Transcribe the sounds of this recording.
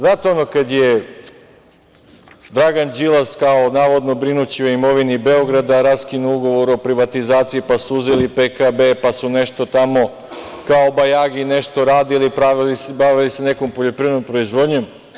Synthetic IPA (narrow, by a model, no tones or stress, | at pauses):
znat̪eonokad̪je̞ | d̪ɾaɡand͡ʒilˠaskao̞naːʋo̞d̪no̞bɾinut͡ɕio̞imo̞ʋinibeoɡɾad̪aɾaskinuuɡo̞ʋo̞ɾopɾiʋat̪izaːt̪sijipasuuzelipekabepasune̞ʃt̪o̞t̪amo̞ | kaobajaːɡine̞ʃt̪o̞ɾaːd̪ilipɾaʋilisbaʋilise̞ne̞kompoʎo̞pɾiːʋenompɾo̞izʋo̞d̪ɲo̞m